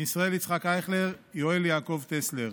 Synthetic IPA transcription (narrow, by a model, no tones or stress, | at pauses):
isʁae̞lit͡sχakaeχleʁjoeljaːko̞vt̪esleʁ